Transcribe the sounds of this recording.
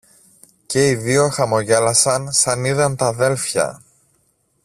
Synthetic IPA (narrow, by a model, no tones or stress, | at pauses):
ce̞iðio̞xɐmo̞ʝe̞lɐsɐnsɐniðɐnt̪ɐðe̞lfçɐ̰